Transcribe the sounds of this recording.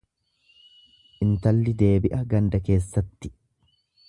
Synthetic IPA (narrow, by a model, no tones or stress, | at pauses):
ʔɪnt̪ɐlːɪd̪e̞ːbɪʔɐɡɐnd̪ɐke̞ːsːɐt̪ːɪ̥